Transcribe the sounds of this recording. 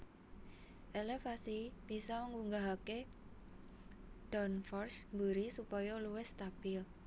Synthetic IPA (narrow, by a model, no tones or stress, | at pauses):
ʔelefasib̥isɔməŋuŋɡaɦake | d̥ɔnfɔrsmbəɾisupɔjɔluwɛst̪ab̥ɪl